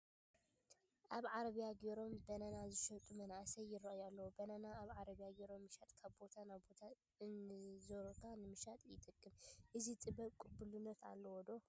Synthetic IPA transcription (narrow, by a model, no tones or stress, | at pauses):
ʔaβʕaɾɐβijaɡeɾo̞mbɐnɐnazɨʃɐt̪ʼumɐnʔasɐjːɪɾɐʔjalːɐwobɐnanaːβʕaɾɐβjaɡeɾo̞mːɨʃat̪ʼkʰaβbo̞t̪ʰanabo̞t̪ʰa | nzoɾokʰanɨmɨʃat̪ʼjɪt̪ʼɨkʼːɨmʔɨzit̪ʼɨbɐβkʼubulunːɐt̪ʰa̰lːɐwɔd̪o̞